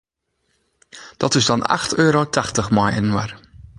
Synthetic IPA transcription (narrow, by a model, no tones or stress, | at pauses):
d̥ɔtɪsdɔna̰xtʰøːɾotʰaxtəxmɔjɛ̰nnwar